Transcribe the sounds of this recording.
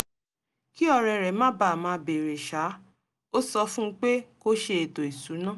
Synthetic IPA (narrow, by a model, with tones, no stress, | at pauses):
ki˦ɔ˧ɾɛ˨ɾɛ˨mãː˦ba˨mãː˧˦be˨ɾe˨ʃa˨˦ | o˦sɔ˧fũ˦˧˦k͡pe˦ko˦ʃe˧e˨to˨i˨su˨˦nã˦˨